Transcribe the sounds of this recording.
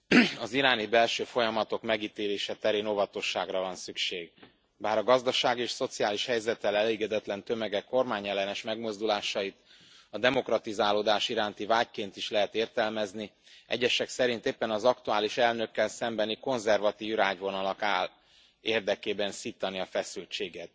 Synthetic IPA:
ɒziɾaːnibɛlʃøːfo̞jɒmɒt̪o̞kmɛɡiːt̪eːleːʃɛt̪ɛɾeːno̞vɒt̪o̞ʃːaːɡrɒvɒnsykʃeːɡ | baːɾɒɡɒzd̪ɒʃaːɡieːʃso̞t̪siaːliʃhɛjzɛt̪ːɛlɛleːɡɛd̪ɛt̪lɛnt̪ø̞mɛɡɛkːo̞rmaːɲɛlːɛnɛʃmɛɡmo̞zd̪ulaːʃɒjit̪ | ɒd̪ɛmo̞krɒt̪izaːloːd̪aːʃiɾaːnt̪ivaːckeːnt̪iʃlɛɦɛt̪eːrt̪ɛlmɛzni | ʔɛ̰ɟːɛʃɛksɛɾint̪eːpːɛnɒzɒkt̪uaːliʃɛlnø̞kːɛlsɛmbɛniko̞nzɛrvɒt̪iːvraːɟvo̞nɒlɒkaːl | eːrd̪ɛkeːbɛnsiːt̪ɒniɒfɛsylt͡ʃeːɡɛt̪̚

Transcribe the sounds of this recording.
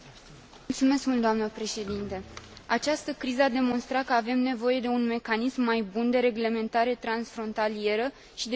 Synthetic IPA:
mult̪sume̞skmult̪d̪oamnəpɾe̞ʃe̞d̪int̪eat͡ʃast̪əkɾizəad̪e̞mo̞nst̪ɾat̪̚kəave̞mne̞vo̞je̞d̪e̞unme̞kanismːajbund̪e̞ɾe̞ɡle̞me̞nt̪aɾe̞t̪ɾansfɾo̞nt̪alie̞ɾə | ʃid̪e

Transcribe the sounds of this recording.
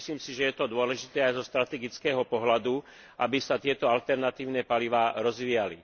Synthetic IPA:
sliːmsiʒɛjɛt̪ɔd̪ʊɔlɛʒit̪ɛːajzɔst̪ɾat̪ɛɡit͡skɛːɦɔpɔɦlad̪u | ʔabisat̪ɪɛt̪ɔalt̪ɛɾnat̪iːʊnɛːpaliʋaːɾɔzʋiːjali

